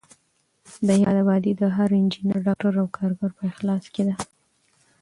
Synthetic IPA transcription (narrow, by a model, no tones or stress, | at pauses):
d̪əjɑd̪abɑd̪id̪əɦaɾɪnd͡ʒinəɾɖɑk̚ʈaɾawkʰɑɾboɾpəɪxlɑsked̪a